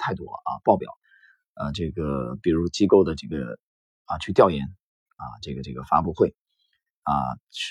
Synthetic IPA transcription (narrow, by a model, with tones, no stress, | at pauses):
t̪ʰa˥˩ɪt̪wɔ̰˥ə̰˧pɑ˥˩ʊpjɑ̰˨˩˦ʊ | ə˧ʈ͡ʂɤ˥˩ɡə˩pi˨˩ɻu˧˥t͡ɕi˥ko˥˩ʊd̪ə˩ʈ͡ʂɤ˥˩ɡə̰˩ | ə˧t͡ɕʰy˥˧t̪jɑ˥˩ʊjɛ˧˥n | ə̰˧ʈ͡ʂɤ˥˩ɡə˩ʈ͡ʂɤ˥˩ɡə˩fa̰˥pu˥˧xwe˥˩ɪ | ə̰˧ʂ